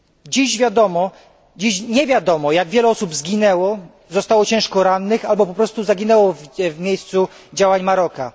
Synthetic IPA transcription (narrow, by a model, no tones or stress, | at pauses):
d͡ʑiɕvʲjad̪ɔmɔ | d͡ʑiɕɲɛvʲjad̪ɔmɔjaɡvʲjɛlɛɔsubzɡʲinɛwɔ | zɔst̪awɔt͡ɕɛ̃w̃ʂkɔɾanːɘxalbɔpɔpɾɔst̪uzaɡʲinɛwɔvvmʲjejst̪su | d͡ʑawaɲmaɾɔka̰